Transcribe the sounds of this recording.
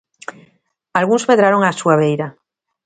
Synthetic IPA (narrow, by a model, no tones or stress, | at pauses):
alɣunzβeðɾaɾo̞ŋasuaβ̞ejɾa